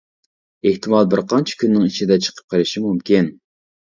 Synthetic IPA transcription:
eht̪ʰɪmɑlˠbɪɾqʰɑnt͡ʃʰi̥kʲynːɪŋit͡ʃid̪ɛt͡ʃʰə̥qʰə̥p̚qʰəɾɪʃimumkʲin

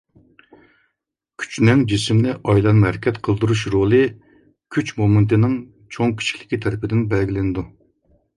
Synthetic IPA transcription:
kʲʰy̥t͡ʃnɪŋd͡ʒismnɪʔɑjlˠɑnmhæɾɪkʲʰɛt̪qʰəlˠd̪uɾuʃɾolˠɨ | kʲʰyt͡ʃmomɨnt̪ɪnɪŋ | t͡ʃʰoŋkʲʰi̥t͡ʃʰi̥kʰʲlɪ̥kʲit̪ʰɛɾɪpɪd̪ɪnbɛlɡʲilɪnɪd̪u

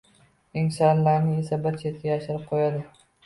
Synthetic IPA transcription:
ɪŋsanlaɾnɪe̞sabɪɾt͡ʃʰet̪̚kʲajaʃɪɾɪp̚qʰojad̪ɪ

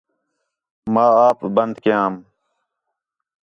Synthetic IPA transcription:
maːaːpbənd̪kjãːm

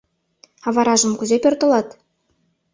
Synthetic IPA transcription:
ɑvɑɾɑʒɤ̆mkuzepʲørt̪ɤ̆lˠɑt̪

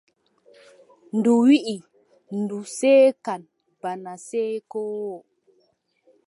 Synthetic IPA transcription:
nduwiʔi | nduseːkan | b̥anaseːkowo

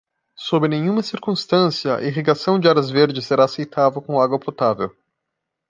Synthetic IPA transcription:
sobɾɪnẽɲ̃ũmɐsiɾkũst̪ɐ̃siɐ̰iɦiɡasɐ̃w̃d͡ʒɪaɾɐzveɾd͡ʒɪsːeɾaːsejt̪ʰavɐwkõaɡwɐpot̪avḛw

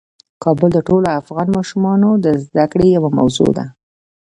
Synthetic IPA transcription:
kɑbʊld̪əʈoloafɣɑnmɑʃumɑnod̪əzd̪akɽejawama̰wzo̰d̪a̰

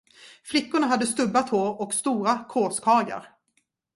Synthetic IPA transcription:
flɪkːʊɳaɦad̪ːəst̪ɵbːat̪ʰhoːɾɔkst̪uːɾakʰoːskʰɑːja̰ɾ

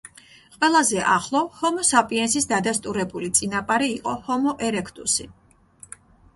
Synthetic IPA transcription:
qʼwɛlˠazɛʔaχlˠɔhɔmɔsapʼiɛnsisd̪ad̪ast̪ʼuɾɛbulit̪sʼinapʼaɾiːqʼɔhɔmɔʔɛɾɛkʰt̪ʼṵsi

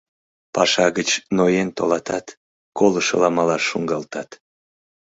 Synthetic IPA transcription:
pɑʃɑɣət͡ɕnojent̪o̰lɑt̪ɑt̪ | koləʃə̰lɑmɑlɑʃːuŋɡɑlt̪ɑt̪

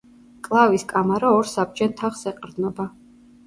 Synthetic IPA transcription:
kʼlˠaviskʼamaɾaɔɾsab̚d͡ʒɛnt̪ʰaχsɛqʼɾd̪nɔba

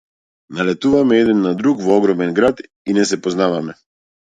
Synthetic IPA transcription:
nalɛt̪uvamɛɛd̪ɛnːad̪ɾukvɔɔɡɾɔmɛnɡɾat̪ | inɛsɛpɔznavamɛ

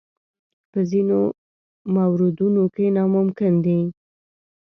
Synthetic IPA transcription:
pəzino | mawɾɪd̪unokenɑmʊmkɪnd̪e

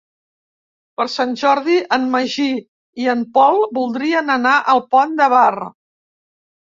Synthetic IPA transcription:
pəɾsanʲʒɔɾð̞iʔəmməʒi | iəmpɔlˠbulˠd̪ɾiənənaʔəlˠpɔnd̪əβarə̰

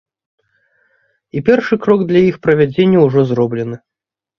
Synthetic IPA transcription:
ipʲɛrʂɨkɾɔɡd̪lʲɐjixpɾɐvʲad͡zʲenʲːɐwʐɔzrɔblʲɛnɨ

